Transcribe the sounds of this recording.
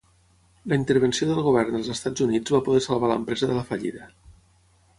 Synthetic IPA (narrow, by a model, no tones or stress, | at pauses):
ləint̪əɾβənsioðəlˠɣ̞uβ̞ɛɾnd̪əlˠzəst̪ad͡zunid͡zβapuðɛsalˠβ̞alə̰mpɾɛzəðələfəʎḭðə